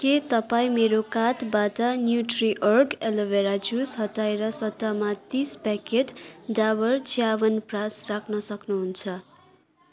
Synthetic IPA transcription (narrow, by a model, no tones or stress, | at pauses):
ket̪ʌpaĩmeɾokat̪batʌnjuʈriʔʌrkelʌbeɾad͡zusʌt̪ajɾʌsʌt̪ːamat̪ispɛketdabʌrt͡sʰiabʌnprasrakʰnʌsʌknuɦunt͡sʰʌ